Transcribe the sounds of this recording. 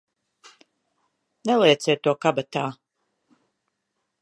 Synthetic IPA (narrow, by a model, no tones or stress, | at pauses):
nelˠeːt̪sɛːt̪ːuɔkabat̪aː